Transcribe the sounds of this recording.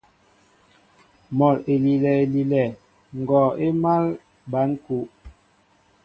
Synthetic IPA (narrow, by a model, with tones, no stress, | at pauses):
mɔ˨le˨li˨lɛ˨e˨li˨lɛ˨ | ŋ̩˨ɡɔ˨e˦ma˦l | ba˨˦ŋ̩˦ku˨˦ʔ